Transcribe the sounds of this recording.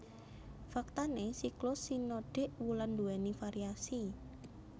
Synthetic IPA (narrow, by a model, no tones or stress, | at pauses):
fak̚t̪anesiklʊsinoɖ̥e̤ʔwuland̪uwɛnifaɾiasi